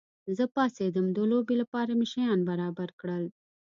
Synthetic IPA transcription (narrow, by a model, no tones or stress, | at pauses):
zəpɑːsed̪əmd̪əloːbilapɑːɾamɪʃajɑːnbaɾɑːbaɾkɽəl